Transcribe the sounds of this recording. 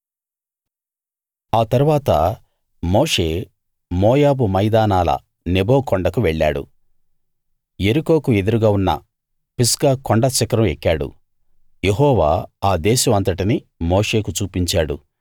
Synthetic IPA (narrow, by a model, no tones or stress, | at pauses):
aːt̪ɐɾuʋaːt̪ɐ̰ | moːʂe̞ː | moːjaːbumɐjd̪aːnaːlɐ̰ | neboːkoɳɖɐkuʋɛɭːa̰ːɽṵ | jeɾuko̞ːkue̞d̪uɾuɡaːunːɐ̰ | piskaːkoɳɖɐt͡ʃɐkɾɐmekːaːɽṵ | je̞ɦɔːʋa̰ːaːd̪ɛːʃɐmɐnt̪ɐʈini | mo̞ːʂe̞ːkut͡ʃuːpiɲt͡ʃaːɽṵ